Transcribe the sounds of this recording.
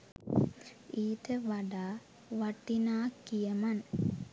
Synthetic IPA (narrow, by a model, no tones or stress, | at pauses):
iːt̪əʋaɖaː | ʋaʈːinaːkːijəman